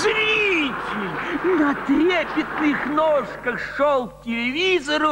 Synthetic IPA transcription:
zɾʲitʲɪlʲnɐt̪ɾʲepʲɪt̪nɨxnoʂkəxʂolˠp̚tʲɪlʲɪvʲizɐɾʊ

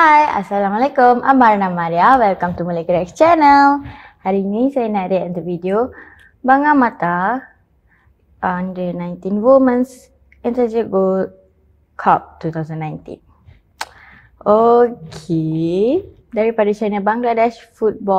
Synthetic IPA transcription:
haja̰salamalakumʔa̰maɾanamaɾiawɛlkamt̪umulaɡəɾɛkst͡ʃɛnəlhaɾinisajənaʔɾetɛ̃nt̪uvidio | baŋamat̪a | ʔɔndənãjnt̪inwomə̃ns | ɛ̃nt̪ad͡ʒɛɡo | kʰɔp̚t̪ut̪awzə̃nːãjnt̪ḭ̃n | ʔokʰe | daɾipadat͡ʃanəbaŋɡladɛʃfut̚bɔ

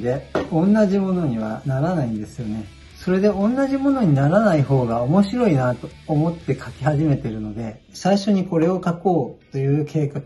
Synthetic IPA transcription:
d̪e̞õ̞nːaʑimo̞no̞ɲ̟iβ̞a̰naɾanaĩnd̪e̞sɨjo̞ne̞ | so̞ɾe̞d̪e̞õ̞nːaʑimo̞no̞ɲ̟inaɾanaiɦo̞ːɡao̞mo̞ɕiɾo̞inat̪o̞ːmo̞t̪ːe̞kʰakʲi̥haʑime̞t̪e̞ɾɯ̟no̞d̪e̞ | saiɕo̞ɲ̟iko̞ɾe̞o̞kako̞ːt̪o̞jɯ̟ːkʰe̞ːkak

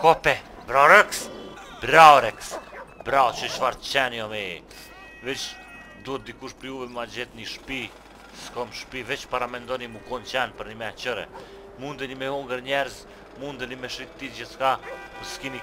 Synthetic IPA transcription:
kɔpɛ | bɾawɾɛks | bɾaɔɾɛksbɾawt͡ʃət͡ʃfaɾt̪t͡ʃɛnjɔmɛḭ | vɛt͡ʃ | d̪uɛt̪̚d̪ikuʃpɾiuvɛmad͡ʑɛt̪niʃpi | skɔmʃpivɛt͡ʃpaɾamɛnd̪ɔnimukɔnt͡ʃɛnpəɾnimɛt͡ʃəɾɛ̰ | mund̪ənimɛhuŋɡəɾɲɛɾz | mund̪ənimɛʃit̪t̪ːid͡ʑiskapəskini

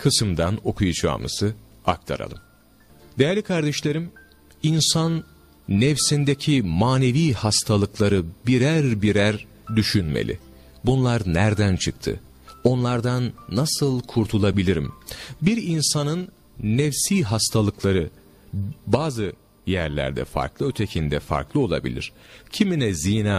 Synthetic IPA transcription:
kʰɯsɯmd̪ano̞kʰujud͡ʒa̰ːmɯ̰sɯ | a̰k̚t̪ʰa̰ɾa̰lˠɯ̰m | d̪ejæɾlʲikʰaɾd̪ɛʃlʲe̞ɾim | insanː | ɛfsind̪ecʰimaːne̞viːhast̪ʰalˠɯklˠaɾɯbiɾæɾbiɾæɾ | d̪yʃynmḛlʲḭ | bunlˠaɾnæɾd̪ænt͡ʃʰɯk̚t̪ʰɯ̰ | o̞nlˠaɾd̪anːasɯlˠkʰuɾt̪ʰulˠabilʲiɾḭmbiɾinsanɯnː | ɛfsiːɦast̪ʰalˠɯklˠaɾɯ | baːzɯ | jæɾlʲæ̰ɾd̪ɛ̰fa̰ɾklˠɯø̞t̪ʰe̞cʰind̪ɛfa̰ɾklˠɯo̞lˠa̰bḭlʲḭɾ̥ | cʰiminɛziːnaː

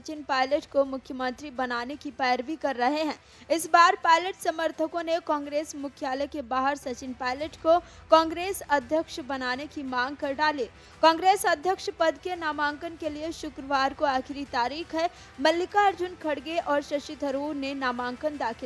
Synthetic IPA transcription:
t͡ʃɪnpaːɪləʈkomʊkʰjəmə̃nt̪ɾibɐnaːnekipɛːɾbikɐɾːɐɦeɦɛ̃ː | ɪsbaːɾpaːɪləʈsɐməɾt̪ʰəkõnekɔ̃ːŋɡɾeːsmʊkʰjaːləkebaːɦəɾsɐt͡ʃɪnpaːɪləʈko | kɔ̃ːŋɡɾeːsɐd̪ʱjəkʃbɐnaːnekimãːŋɡ̚kɐɾɖaːliː | kɔ̃ːŋɡɾeːsɐd̪ʱjəkʃpɐd̪kenaːmãːŋkənkelieʃʊkɾəʋaːɾkoaːkʰɪɾit̪aːɾiːxɦɛ | mɐlːɪkaɐɾd͡ʒʊnkʰɐɽɡeʔɔːɾʃɐʃɪt̪ɦɐɾuːɾnenaːmãːŋkənd̪aːkʰɪ

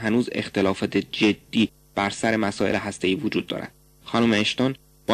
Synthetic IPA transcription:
ɦænuːzḛxt̪e̞lɒːfɒːt̪ʰed͡ʒe̞d̪̥ːiː | b̥æɾsæɾe̞mæsɒːe̞̰leɦæst̪e̞iːvod͡ʒuːd̪̥̚ːɒ̰ːɾæ̰d̪̥ | xɒnuːmeeʃt̪ɒːn | b̥ɒ

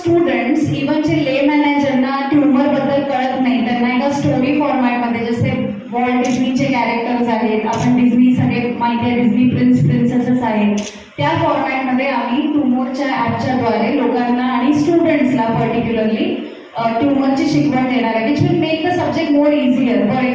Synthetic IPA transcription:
sʈuɽəɳʈsiʋənd͡ʑelemæned͡ʑəɾnaʈuɾməɾbəd̪ːəlkəɾət̪naɦit̪əɾnaik̪asʈoɾifɔɾmaʈməd̪ʱːjed͡zəse | ʋɔɭɖɖid͡ʑnit͡ɕekæɾek̚ʈəɾd͡zaɦet̪apəɳɖid͡ʑnisəɡɭemaɦit̪ʰjaɖid͡znipɾinspɾinsəsəsaɦet̪ | t̪jafɔɾmaʈməd̪ʱːjeamiːʈumoɾt͡ɕjaaɾt͡ɕad̪ʱoalelokãnːaːɽ̃isʈuɽəɳʈslapəɾʈikjuləɾliː | ʈuɳməɾt͡ɕiɕikʋəɳd̪eɽ̃aɾak̪it͡ɕʰʋinmekəsəb̚d͡ʑek̚ʈmoːɾiziəɾt̪əɾ

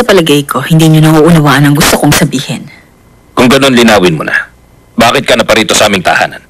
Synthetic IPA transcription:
sɐpɐlɐɡɐjkʰo̞hɪnd̪iːɲonɐʔuʔʊnɐwaːʔɐnɐŋɡʊst̪okoŋsɐbiːhɪn | kʊŋɡɐno̞nlɪnaːwɪnmʊnɐ̰ | baːkɪt̪̚kɐnɐpɐɾiːt̪o̞sɐʔaːmɪŋt̪ɐ̰ʔha̰ːnɐn

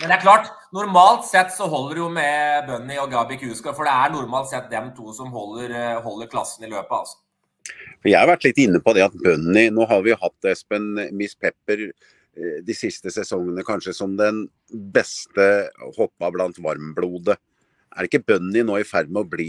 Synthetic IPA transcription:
mɛnd̪ɛæɾkʰlɑːʈ | nʊɾmɑːlt̪sɛt̪ːsɔɦɔlːəɾjʊmɛbœnːɪɔɡɑbɪkʰʉːskɑfɔɖɛæɳʊɾmɑːlt̪sɛt̪̚d̪ɛmt̪ʰuːsɔmɦɔlːəɾɦɔlːəɾkʰlɑsːənɪløːpɑɑ̰lsɔ̥ | fɔɾjæɪhɑɾʋæʈːlɪt̪ːɪnːəpɔd̪ɛɑt̪bœnːɪnoːɦɑd̪ʋɪjʊɦɑt̪ːɛspənmɪspʰɛpːəɾ | d̪ɪsɪst̪əsɛsɔŋːənəkʰɑnʂəsɔmd̪ɛn | bɛst̪əhɔpːɑblɑnt̪ʋɑɾmbluːd̪ə | ʔæɾɪkːəbœnːɪnoːɪfæɾd̪mɛɔbliː

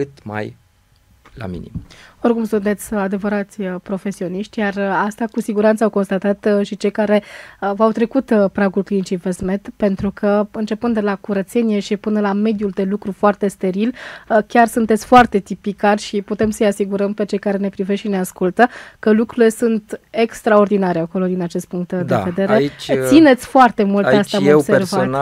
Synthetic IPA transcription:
kɨt̪ma̰j | la̰mḭnḭmo̞rkumsunt̪e̞t̪sʲad̪e̞vəɾat̪sʲpɾo̞fe̞sio̞niʃt̪ʲjarast̪akusiɡuɾant̪səawko̞nst̪at̪at̪ʃit͡ʃejkaɾe̞vawt̪ɾe̞kut̪pɾaɡulklint͡ʃivesmet̪pe̞nt̪ɾukʰəɨnt͡ʃe̞pɨnd̪elakuɾət̪se̞nije̞ʃipɨnəlame̞d̪juld̪e̞lukɾufoart̪e̞st̪e̞ɾilkʲarsunt̪e̞t̪sʲfoart̪e̞t̪ipikarʲʃiput̪e̞msəjasiɡuɾəmpe̞t͡ʃe̞jkaɾe̞ne̞pɾive̞ʃineaskult̪əkəlukɾuɾile̞sunt̪e̞kst̪ɾao̞rd̪inaɾeako̞lo̞d̪inat͡ʃe̞st̪̚puŋk̚t̪d̪eve̞d̪e̞ɾe̞t͡ʃt̪sine̞t̪sʲfoart̪e̞mult̪east̪eameseersa

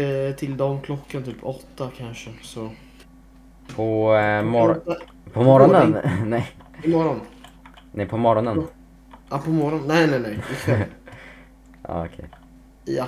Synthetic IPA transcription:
t̪ʰɪld̪ɔmkʰlɔkːant̪ʰyːpʰɔt̪ːakʰanʂəsɔ | pʰɔmɔɾa | pʰɔmɔɾɔnənnɛjɪmɔɾɔn | nʔɛpʰɔmɔɾɔnən | ʔapʰɔmɔɾɔnːɛjnɛnɛjɪɛ | ʔɑ̰ɔkʰɛ̰j | ja̰

